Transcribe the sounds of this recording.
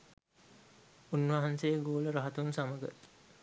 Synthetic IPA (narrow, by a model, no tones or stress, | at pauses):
unʋaɦansejəɡoːləɾaɦat̪unsaməɡə̰